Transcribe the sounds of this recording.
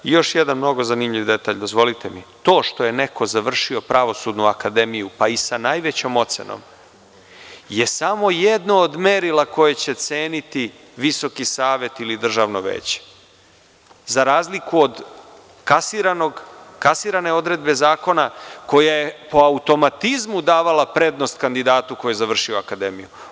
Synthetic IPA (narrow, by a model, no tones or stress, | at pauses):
ijo̞ʃjed̪anmno̞ɡo̞zanimʎiʋd̪e̞t̪aʎd̪o̞zʋo̞lit̪emit̪o̞ːʃt̪o̞je̞ne̞ko̞zaʋr̩ʃio̞pɾaʋo̞sud̪nuakad̪e̞mijupaisanajʋe̞t͡ɕo̞mo̞t̪sḛno̰m | je̞samo̞jed̪noːd̪meɾilako̞jet͡ɕe̞t̪se̞ːnit̪i | ʋiso̞kisaːʋe̞t̪ilid̪r̩ʒaʋno̞ʋḛːt͡ɕe̥ | zaɾaːzlikuod̪ | kasiɾanoɡkasiɾane̞o̞d̪ɾe̞d̪be̞zaːko̞nako̞jajepo̞aut̪o̞mat̪izmud̪aːʋalapɾe̞d̪no̞st̪kand̪id̪aːt̪uko̞jezaʋr̩ʃio̞akad̪e̞miju